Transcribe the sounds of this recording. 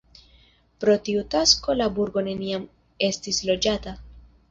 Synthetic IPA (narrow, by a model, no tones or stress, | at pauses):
pɾo̞tiutasko̞labuɾɡo̞ne̞niam | e̞stislo̞d͡ʒata